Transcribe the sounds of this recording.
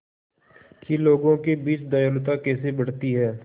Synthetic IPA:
kiloːɡõkebiːt͡ʃd̪ajəlʊt̪akɛːsebɐɽ̤t̪iɦɛː

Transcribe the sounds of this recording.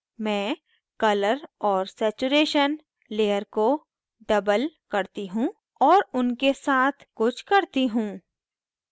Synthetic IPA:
mɛ̃ː | kɐləɾɔːɾsɛːt͡ʃuɾeːʃən | leːjəɾko | ɖɐbəlkɐɾt̪iɦũː | ɔːɾʊnkesaːt̪ʰkʊt͡ʃʰkɐɾt̪iɦũː

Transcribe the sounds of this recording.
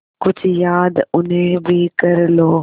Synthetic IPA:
kʊd͡ʑʱjaːd̪ʊnẽbʱɪkɐɾɪloː

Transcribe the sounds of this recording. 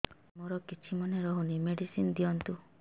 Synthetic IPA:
moɾɔkit͡ʃʰimɔneɾɔɦunimeɖisinɔd̪iɔnt̪u

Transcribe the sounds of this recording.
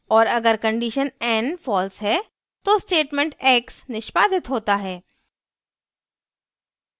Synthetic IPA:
ɔːɾɐɡəɾkɐ̃ɳɖiʃənɛːnfɔːlsɦɛ | t̪osʈeːʈmɛ̃ɳʈɛːksnɪʃpaːd̪ɪt̪ɦoːt̪aɦɛː

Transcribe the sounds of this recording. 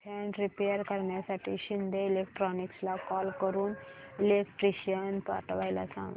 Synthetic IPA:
pʰɛɳɖɾipejəɾkəɾɳjasaʈʰḭːɕind̪ʱeilek̚ʈɾɔnikslakɔlkəɾuːnilekʈɾiɕənpa̰ʈʋajla̰sã̰ŋɡ

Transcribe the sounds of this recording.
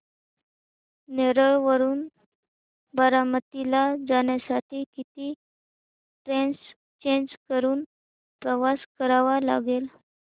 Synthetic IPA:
neɾəɭʋəɾuːn | bəɾamət̪ilad͡zaɳjasaʈʰikit̪iː | ʈɾens | t͡ɕeɲd͡ʑkəɾuːn | pɾəʋaskəɾaʋala̰ɡel

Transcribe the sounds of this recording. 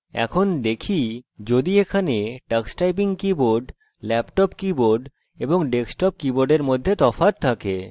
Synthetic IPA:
ɛ̰kʰond̪ekʰid͡ʑod̪iekʰaneʈaksʈajp̬iŋkiboɾɖ | lɛpʈɔpkiboɾɖ | eboŋɖeksʈɔp̚kiboɾɖeɾmod̪ʱːet̪ɔfaɾt̪ʰake

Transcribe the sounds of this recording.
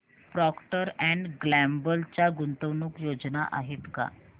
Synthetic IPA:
pɾɔkʈəɾɛ̃ɳɖɡlæmbəlt͡ɕaɡunt̪əʋnuːkjod͡zna̰ʔa̰ɦet̪ka̰

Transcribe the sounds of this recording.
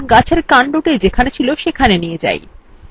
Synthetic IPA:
ɡat͡ɕʰeɾkaɳɖoʈed͡ʑekʰanet͡ɕʰiloʃekʰanenijed͡ʑa̰j

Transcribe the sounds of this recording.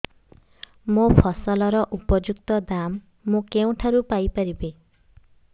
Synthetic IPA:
mopʰɔsɔlɔɾɔʔupɔd͡ʒuk̚t̪ɔd̪amː | ũkeũʈʰaɾupajpaɾibe

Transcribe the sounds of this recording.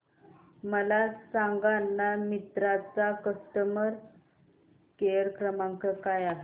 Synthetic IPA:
məlasãŋɡanːamit̪ɾat͡sakəsʈ̪əməɾ | kejəɾkɾəmaŋkəkajaɦe

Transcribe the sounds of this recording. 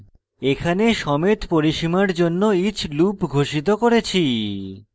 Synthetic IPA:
ekʰaneʃɔmet̪poɾiʃimaɾd͡ʑonːoit͡ɕʰlupɡʱoʃit̪̬okoɾet͡ɕʰi

